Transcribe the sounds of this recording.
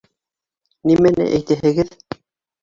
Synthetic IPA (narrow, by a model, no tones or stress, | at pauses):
nimænɘ̰ʔæjt̪æɦɘ̆ɡɘð